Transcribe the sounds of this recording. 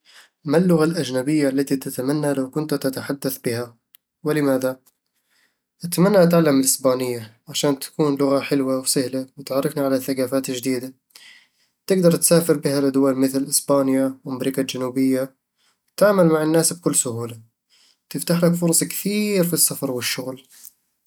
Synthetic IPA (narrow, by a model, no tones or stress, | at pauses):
malːʊɣalʔad͡ʒnabɪjːalːat̪it̪at̪amanːalawkʊnt̪t̪at̪aħad̪ːaθbɪha | wɪlɪmaːða | ʔat̪amanːaʔat̪ʕalːamɪlʔɪsbaːnɪjːaʕaʃaːnt̪ḁkuːnlʊɣaħɪlwawsahlawɪt̪ʕɑrˤːɪfniʕalaθːaɡaːfaːt̪ɪd͡ʒd̪iːd̪a | t̪ɪɡd̪ɑɾˤt̪saːfɪɾbɪhalʔad̪ʊwalmɪθlʔɪsbaːnjawɪmɾɪkad͡ʒanuːbɪjːa | wt̪aʕmalmaʕɪnːaːsb̚kʊlːsʊhuːla | t̪ɪft̪aħlakfʊɾˤsˤkθiːɾfisːafɑɾˤwɪʃːʊɣl